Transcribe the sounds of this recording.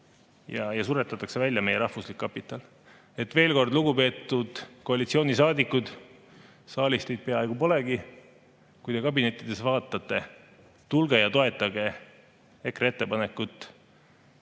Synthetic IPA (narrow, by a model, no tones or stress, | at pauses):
jɑjɑsuɾet̪ːˑɑt̪ːˑɑkse̞vælʲjɑme̞jeɾɑhvuslikːɑpːit̪ːˑɑl | e̞t̪ːˑve̞ːlko̞rd̪luɡupe̞ːt̪ːˑud̪̥ko̞ɑlit̪sio̞ːnisɑːd̪ikːud̪̥ | sɑːlʲist̪ejd̪̥̚pe̞ɑejɡ̥upo̞le̞ɡ̥i | kujd̪e̞kɑbine̞t̪ːˑid̪̥e̞svɑːt̪ːˑɑt̪ːˑe̞ | t̪ulɡ̥ejɑt̪o̞e̞t̪ˑːɑɡe̞ | e̞kree̞t̪ːe̞pɑne̞kːˑut̪ːˑ